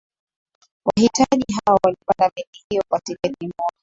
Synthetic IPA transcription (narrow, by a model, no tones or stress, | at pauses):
wahitaʄiɦawawalipandaɓɛkihijɔkatikɛɗimɔa